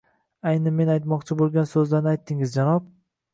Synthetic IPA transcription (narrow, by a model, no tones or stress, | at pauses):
ajnɪme̞najt̪mɒqt͡ʃʰɪbolˠɡʲansɵzlaɾnɪajt̪ʰːɪŋɪzd͡ʒanɒp̚